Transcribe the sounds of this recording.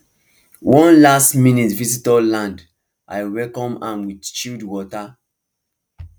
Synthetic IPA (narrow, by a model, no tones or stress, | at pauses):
wʔɔ̃nlastmĩnitvisitɔlãnd | ʔa̰ɪwɛlkɔ̃mãmwidt͡ʃildwɔta